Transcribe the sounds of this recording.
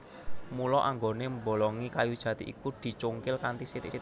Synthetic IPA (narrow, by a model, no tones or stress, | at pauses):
mulɔʔaŋɡonembo̤lɔŋikajud̥ʒ̥ä̤t̪iʔḭkud̪̥i̤t͡ʃuŋkɪlkant̪isit̪s